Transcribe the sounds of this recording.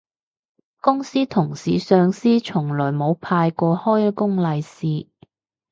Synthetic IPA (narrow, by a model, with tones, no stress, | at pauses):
kʊ˥ŋsiː˥t̪ʰʊ˨˩ŋsiː˨sœː˨ŋsiː˥t͡ʃʰʊ˨˩ŋlɔː˨˩jmo˨˧wpʰaː˧jkɔː˧hɔː˥jkʊ˥ŋlɐ˨˧jsiː˨˧